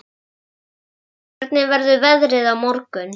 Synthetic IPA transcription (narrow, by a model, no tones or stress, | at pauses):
ɛɾt̪nɪvɛɾðʏvɛðɾɪðawmɔɾkʏn